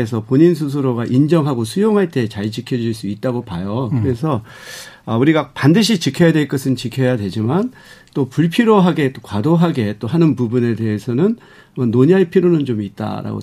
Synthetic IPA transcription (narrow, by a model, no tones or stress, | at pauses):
es̬ʰʌpoɲins̬ʰus̬ʰɯɾoɡaʔind͡ʑʌŋɦaɡosʰujoŋɦaɭt͈e̞t͡ɕaɭt͡ɕikʰjʌd͡ʑuuɭs͈uit̚t͈aɡopajokɯɾe̞s̬ʰʌ | ʌuɾiɡapandɯɕ̬ʰit͡ɕikʰjʌjadwe̞ɭk͈ɯsʰɯnt͡ɕikʰjʌjadwe̞d͡ʑiman | t͈opuɭpʰiɾoɦaɡe̞t͈okwadoɦaɡe̞t͈oɦanɯnpubune̞de̞ɦesʰʌnɯn | ʌnːoɲiɦaɭpʰiɾonɯnt͡ɕomit̚t͈a̰ɾa̰ɡo̰